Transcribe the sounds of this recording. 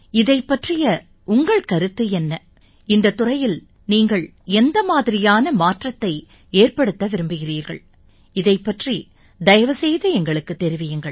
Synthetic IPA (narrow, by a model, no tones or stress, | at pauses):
ɪðɐɪpːɐʈrɪjɐ | ʔʊŋɡɐɭkɐɾɯt̪ːɯɛnːɐ | ɪnd̪ɐt̪ːʊrɐjɪl | niːŋɡɐɭ | ɛnd̪ɐmaːðɪɾɪjaːnɐmaːʈrɐt̪ːɐɪ | eːrpɐɽɯt̪ːɐʋɪɾɯmbɯɣɪriːɾɣɐ̰ɭ | ɪðɐɪpːɐʈri | d̪ɐjɐʋɐsɛjðɐɛŋɡɐɭɯkːɯt̪ːɛɾɪʋɪjɯŋɡɐɭ